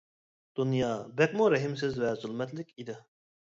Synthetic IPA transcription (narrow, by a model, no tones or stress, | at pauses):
d̪̥unjɑːbɛk̚muɾɛɦimsɪzvɛzʊlˠmɛt̪lɪkʲid̪ɪ